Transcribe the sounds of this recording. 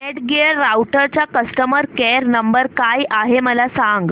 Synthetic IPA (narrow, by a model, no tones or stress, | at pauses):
eʈɡeɾːawʈəɾt͡ɕjakəst̪əməɾkɛɾnəmbəɾkajʔaɦeməlasaŋɡ